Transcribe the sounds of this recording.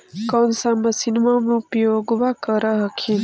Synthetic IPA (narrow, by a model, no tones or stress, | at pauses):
kɔnsamɐsinmamũpjoɡʋakəɾəɦəkʰin